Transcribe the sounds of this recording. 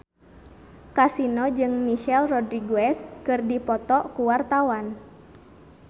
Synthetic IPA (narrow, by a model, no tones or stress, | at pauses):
kasinɔd͡ʒɨŋmiʃɛlrɔdɾiɡoɛskɨrdipɔt̪ɔkuwart̪awan